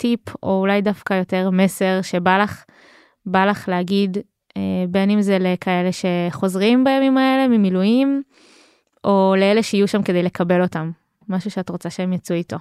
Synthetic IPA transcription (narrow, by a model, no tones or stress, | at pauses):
tipʰo̞ulajdafkajo̞te̞ʁme̞se̞ʁʃebalaχ | balaχleaɡid | ebe̞nimzelekʰae̞leʃe̞χo̞zʁimbajamimae̞lemimilujim | o̞leeleʃeijuʃamke̞dejle̞kʰabe̞lo̞tamː | aʃuʃeatʁot͡saʃeemjat͡suito̞